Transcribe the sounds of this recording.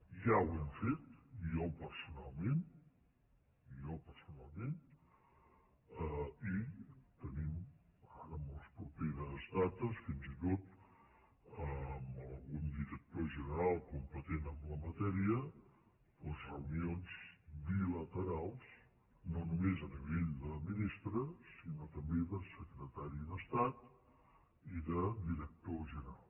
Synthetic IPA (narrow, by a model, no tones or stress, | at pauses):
ʒawɛmfet̪iɔpəɾsunalˠmen | iɔpəɾsunalˠmen | əit̪ənimaɾəməlˠspɾupeɾəzðat̪əsfinzit̪ot̪ | əməlˠɣund̪iɾək̚t̪oʒənəɾalˠkumpət̪enəmləmət̪ɛɾiə | pəzrəunionzbilət̪əɾalˠs | nonumezəniβeʎd̪əminist̪ɾəsinot̪əmbeðəsəkɾət̪aɾiðəst̪at̪ | iðəd̪iɾək̚t̪oʒənəɾalˠ